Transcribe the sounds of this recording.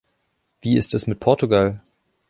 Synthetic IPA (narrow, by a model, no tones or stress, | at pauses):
v̥iːɪstasmɪt̚pʰɔɐtuɡal